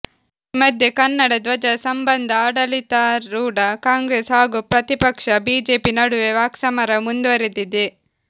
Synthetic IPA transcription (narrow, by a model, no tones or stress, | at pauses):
imɐd̪ʱjekɐnːɐɽɐd̪ʋɐd͡ʒɐsɐmbɐnd̪ʱɐaːɽɐlit̪aːɾuːɽɐkaːŋɡɾesɦaːɡuːpɾɐt̪ipɐkʂɐbiːd͡ʒeːpinɐɽuʋeʋaːksɐmɐɾɐmund̪uʋɐɾed̪id̪e